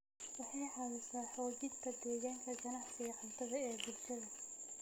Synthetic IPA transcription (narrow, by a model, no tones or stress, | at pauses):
wɑħɑjħɑlʊsaːħɔːd͡ʒɪd̪t̪ʰɐd̪ɛːɣaːŋkʰɐd͡ʒɐnɑʕkʰɐjɐħalt̪ʰɐðɐɛːbʊlʃɐðɐ